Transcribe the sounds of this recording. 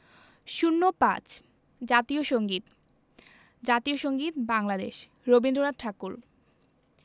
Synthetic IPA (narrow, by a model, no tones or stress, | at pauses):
ʃunːopã̰t͡ɕ | d͡ʑat̪ioʃoŋɡit̪ | d͡ʑat̪ioʃoŋɡit̪baŋlad̪ḛʃ | ɾobind̪ɾoɾad̪̚ʈʰakul